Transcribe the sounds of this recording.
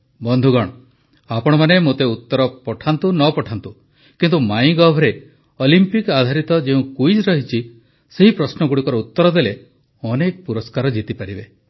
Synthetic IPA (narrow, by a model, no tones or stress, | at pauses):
bɔnd̪ʱuɡɔɽ̃ɔ | apɔɽ̃ɔmanemot̪eut̪ːɔɾɔpɔʈʰant̪unɔpɔʈʰant̪u | kint̪umaj̃ɡɔbʱɔɾe | ɔlimpikad̪ʱaɾit̪ɔd͡ʒeũkujd͡ʒɾɔɦit͡ʃʰi | seɦipɾɔsnɔɡuɽikɔɾɔut̪ːɔɾɔd̪ele | ɔnekɔpuɾɔskaɾɔd͡ʒit̪ipaɾibe